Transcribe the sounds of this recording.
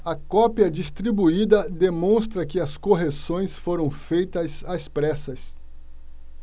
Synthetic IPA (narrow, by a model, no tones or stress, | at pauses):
ɐkɔpiɐd͡ʒist̪ɾibuid̪ɐd̪emõst̪ɾɐkɪɐskoɦesõj̃sfoɾɐ̃w̃fejt̪ɐzaspɾɛsɐs